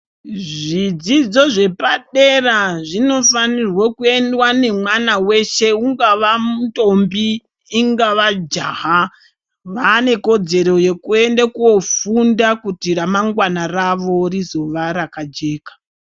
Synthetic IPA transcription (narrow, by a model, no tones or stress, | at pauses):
ʐid͡zid͡zo̞ʐe̞paɗe̞raʐino̞fanirwokue̞ndwane̞mwanawe̞ʃe̞uŋɡaʋamuto̞mbiː | ŋɡaʋad͡ʒaːɦa | ʋane̞ko̞d͡ze̞ɾo̞je̞kue̞ndakuo̞fundakutiramaŋɡwanaraʋo̞rizo̞ʋaɾakad͡ʒe̞ːkḁ